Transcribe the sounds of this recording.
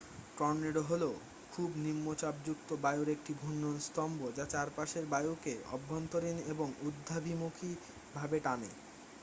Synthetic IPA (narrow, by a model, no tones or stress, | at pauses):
kɔɾneɖoɦolo | kʰubnimːot͡ɕab̚d͡ʑuk̚t̪obajuɾek̚ʈibʱunːonst̪ɔmbod͡ʑat͡ɕaɾpaʃeɾbajukeɔ̰bʱːɔnt̪oɾineboŋud̪ʱːabʱimukʰi | bʱabeʈanḛ